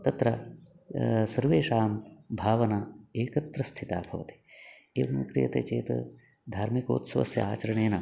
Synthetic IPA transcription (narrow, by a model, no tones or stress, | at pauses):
t̪ɐt̪ɾɐ | sɐɾʋeːʃaːmbʱaːʋɐnaeːkɐt̪ɾɐst̪ʰit̪aːbʱɐʋɐ̰t̪i̥ | ḛːʋɐmkɾijɐt̪ḛːt͡ʃḛːt̪ɐ̰ | d̪ʱaːɾmiko̰ːt̪sʋɐ̰sjɐ̰aːt͡ʃɐɾɐɳeːnɐ